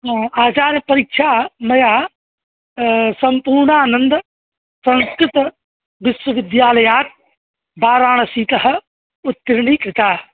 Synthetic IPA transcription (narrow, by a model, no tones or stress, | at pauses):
aːt͡ʃaːɾɐpɐɾikʃʰaːmɐjaː | sɐmpuːɾɳaːnɐnd̪ɐ | sɐ̃nskɾɪt̪ɐ | ʋɪswɐʋɪd̪jaːlɐjaːt̪̚ | baːɾaːɳɐsiːt̪ɐɦɐ̆ | ut̪ːɐɾɳiːkɾɪt̪aː